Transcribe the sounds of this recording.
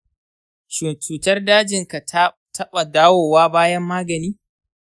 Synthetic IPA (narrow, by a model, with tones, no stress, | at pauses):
ʃʊ˨t͡ʃuː˨tɐ˦rdaː˦d͡ʒɪ˨ŋka˨˦ | tʰɐ˦ɓa˨daː˦woː˨waː˦baː˦jɐ˦mːaː˦ɡɐ˨niː˦